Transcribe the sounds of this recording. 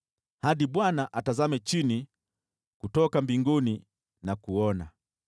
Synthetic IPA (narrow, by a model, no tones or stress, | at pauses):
haɗiɓwanaʔatazamɛt͡ʃini | kutɔkambiŋɡuni | nakuɔna